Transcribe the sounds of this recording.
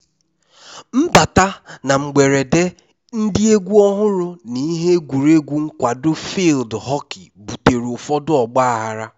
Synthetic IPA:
m̩˦ba˨ta˦na˨ŋ͡m̩˨ɡ͡be˨ɾe˨de˦ | n̩˦dɪ˦e˦ɡʷu˦ɔ˦ɦʊ˦ɾʊ˦ni˨˦ɦe˦ɡʷu˨ɾe˦ɡʷu˦ŋ̩˦kʷa˨dʊ˦fi˦˨ldɦɔ˦kɪ˨bu˨te˨ɾʊ˨fɔ˦dʊ˦ɔ˨ɡ͡ba˦a˨ɦa˨ɾa˦

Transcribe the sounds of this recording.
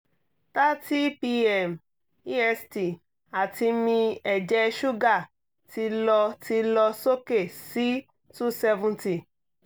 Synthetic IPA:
ta˦ti˦pi˧ɛ˨m | i˦ɛ˧sti˨ | a˨ti˧mĩ˧ɛ˨d͡ʒɛ˦ʃu˦ɡa˦˨ | ti˧lɔ˧tʰi˧lɔ˧so˦ke˦˨si˨˦ | tu˦sɛ˧vũ˧nti˨

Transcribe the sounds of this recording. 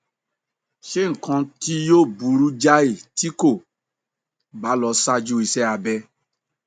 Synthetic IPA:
ʃe˦ŋ̩˨kã˧ti˦joː˦˨bu˨˧˦ɾu˦d͡ʒa˦i˦˨ti˨˦ko˦˨ | ba˨˦lɔ˧˦sa˦˧d͡ʒu˦i˧sɛ˦a˧bɛ˧

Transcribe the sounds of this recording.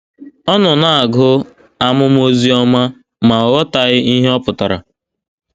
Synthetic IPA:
ɔ˦nɔ˨na˨a˨ɡʊ˦ | a˦mʊ˦m˦o˦zi˦ɔ˦ma˦ | ma˨ɔ˨ɣɔ˦ta˨ɣɪ˦i˦ɦe˦ɔ˦pʊ˨ta˨ɾa̰˨

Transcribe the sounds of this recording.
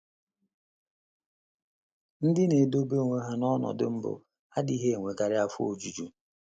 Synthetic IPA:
n̩˦dɪ˦ne˨do˦be˦˨ŋʷe˨ɦa˦nɔ˦nɔ̰˨dɪ̰˦m̩˦bʊ̰˦ | a˦di˦ɦe˦e˨ŋʷe˨ka˨ɾɪ˦a˦fo˨d͡ʒu˨d͡ʒu˨

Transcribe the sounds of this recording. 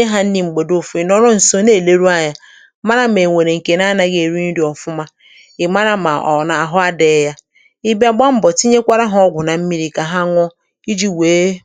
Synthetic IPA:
e˦ɦa˦n̩˦ni˨ŋ͡m̩˨ɡ͡be˨do˦fi˨nɔ˦ɾɔ˦n̩˨so˦ne˦˨le˦ɾu˦a˦ɲa˨ | ma˦ɾa˦me˨ŋʷe˨ɾe˨ŋ̩˨ke˨n˦a˦na˨ɡe˨ɾu˦ni˦di˨ɔ˨fʊ˦ma˦ | ɪ˨ma˦ɾa˦ma̰˨ɔ˨na˨a˨ɦʊ˦a˦de˨˦ja˦ | i˦ba˨ɡ͡ba˦m̩˦bɔ˨ti˦ɲe˦kʷa˦ɾa˦ɦʊ˦ɔ˦ɡʷʊ˨na˨m̩˦mi˦ɾi˦˨ka˨ɦa˦ŋʷɔ˦ | i˦d͡ʒi˦weː˨˦

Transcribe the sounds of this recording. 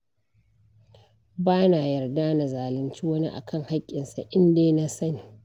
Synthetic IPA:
baː˦na˨jɐ˨rdaː˦na˨zaː˨lɪ˦nt͡ʃiː˦wɐ˦nḭ˦ʔa̰˨kʰɐ˦˨ŋha˦kʲʼːɪ˨nsa˨ʔɪ˦ndeː˦na˦sɐ˦niː˨

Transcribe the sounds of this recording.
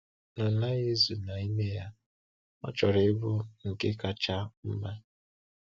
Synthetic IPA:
nɔ˨na˦ɣe˦zu˨na˨i˦me˦ja˦ | ɔ̰˦t͡ʃɔ˨ɾe˨˦bu˦ŋ̩˨ke˦ka˨t͡ʃa˦m̩˦ma˦

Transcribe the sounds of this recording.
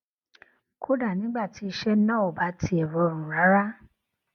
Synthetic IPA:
kʰo˦da˦˨nĩ˨˦ɡ͡ba˦˨ti˨˧˦i˧ʃɛ˦nã˦˨o˨ba˨˦ti˧˦ɛ˨wɔ˨˧˦o˧˨ɾ̃ũ˨ɾa˨˦ɾa˦

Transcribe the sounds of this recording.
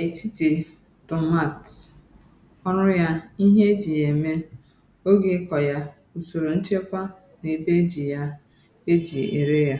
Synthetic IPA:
e˨ti˦ti˨ | tʊ˨ma˨t | ɔ˦ɾʊ˦ja˦i˦ɦe˦e˦d͡ʒi˨je˨me˦ | o˦ɡe˨˦kɔ˨ja˦ | o˨so˨ɾo˨n̩˦t͡ʃe˦kʷa˦ | ne˨be˦d͡ʒi˨ja˦ | e˦d͡ʒi˨ḭ˨ɾe˦ja˦

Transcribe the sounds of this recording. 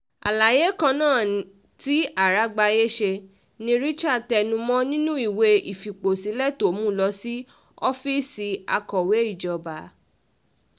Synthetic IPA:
a̰˨la˨je˦kã˧nãː˦˨ | ti˨˦a˦˨ɾa˨˦ɡ͡ba˧je˦ʃe˧ | nĩ˧ɾi˦t͡ʃa˦˨tɛ˧˨nũ˧mɔ̃˦nĩ˦nũ˦i˦˨we˧i˨fi˨k͡po˨si˨˦lɛ˦˨to˨˦mũ˦˨lɔ˧si˦ | ɔ˦fi˦˨si˧a˧kɔ˨we˨˦i˦˨d͡ʒɔ˨ba˨˦

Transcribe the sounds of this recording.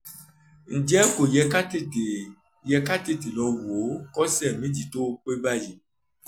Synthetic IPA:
ŋ̩˨d͡ʒɛ˦ko˨jɛ˧ka˦te˦˨te˨ | jɛ˧ka˦te˦˨ti˨lɔ˧wo˨˦kɔ˦sɛ˦˨mĩ˦d͡ʒi˨to˦o˦k͡pe˦ba˦˨ji˨

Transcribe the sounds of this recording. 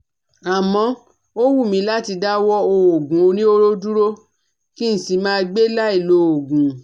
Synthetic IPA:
a˨mɔ̃˧˦ | o˦wu˦˨mĩ˧˦la˦ti˧da˦wɔ˦o˧o˨ɡũ˨o˧nĩ˦o˦ɾo˦du˦ɾo˦ | ki˦n̩˨si˧mãː˦˧ɡ͡be˦la˦i˦˨lo˧˦o˨ɡũ˨

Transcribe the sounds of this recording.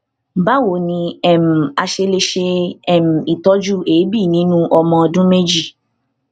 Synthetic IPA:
ba˦wo˨nĩ˧ɛ˦˨m̩˨a˧ʃe˧le˧ʃe˧ɛ˨m̩˨i˨tɔ˦d͡ʒu˦eː˨˦bi˦˨nĩ˨˦nũ˦ʔɔ˧mɔ̃˧ɔ˧dũ˦me˦d͡ʒi˦˨

